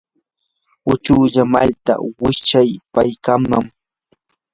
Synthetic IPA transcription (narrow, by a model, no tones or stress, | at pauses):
ʊt͡ʃʊːʎama̰lt̪a̰wɪt͡ʃajpajkamːaŋ